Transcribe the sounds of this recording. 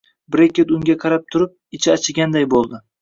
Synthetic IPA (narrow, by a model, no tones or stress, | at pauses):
bɾekʲet̪ʊŋɡʲaqʰɑɾap̚t̪ʰʊɾɪp̚ɪt͡ʃʰɪat͡ʃʰɪɡʲand̪ajbolˠd̪ɪ